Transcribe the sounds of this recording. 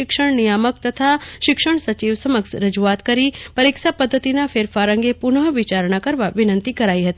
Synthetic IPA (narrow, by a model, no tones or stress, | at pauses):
ɪkʂəɳ̃nijamək̚t̪ət̪ʰaʃɪkʂəɳ̃sɐt͡ʃiʋsəməksɾəd͡ʒuʋat̪kəɾipɐɾiksapəd̪ʱːət̪inafʰeːɾfaɾə̃ŋɡepʊnəɦəʋɪt͡ʃaɾɳ̃akəɾʋaʋɪnə̃nt̪ikɐɾaiɦɐt̪i